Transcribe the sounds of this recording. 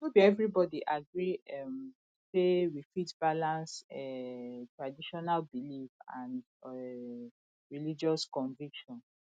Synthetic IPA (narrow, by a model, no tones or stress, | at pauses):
wubiɛvɹibɔdiʔaɡɹiɛm | sewifitb̥alãnsɛtɹadiʃɔnalbilifã̰nd | ɛ | ɹilid͡ʒɔskɔ̃ɱvikʃɔ̃n